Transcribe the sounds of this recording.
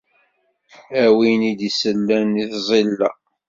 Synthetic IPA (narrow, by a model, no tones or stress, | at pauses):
æwinid̪isəlːæniθzˤilːæ